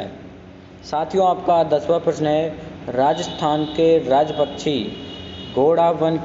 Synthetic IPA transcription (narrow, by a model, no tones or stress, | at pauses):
saːt̪ʰijõaːpkad̪əsʋəpɾəʃneɾaːd͡ʒəst̪ʰaːnkeɾaːd͡ʒəpəkʃʰi | ɡoːɽaːʋən